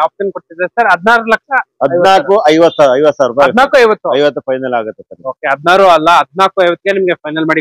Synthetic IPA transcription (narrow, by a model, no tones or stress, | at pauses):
aːp̚sɐnkoɽt̪id̪ɐɾsɐɾɐd̪ʱnaːɾɐlɐkʂɐɐdɐjɐnaːkuɐjʋɐt̪saːɐjʋɐt̪ːsaːɾupaɐd̪ʱnaːkuɐjʋɐt̪ːuɐjʋɐt̪ːupʰɐjnɐlaːɡɐt̪ːesɐnoːkeɦɐd̪̚naːɾuɐlːɐɦɐd̪naːkuɐjʋɐt̪ːɡenimɐɡepɐjnɐlmaːɽi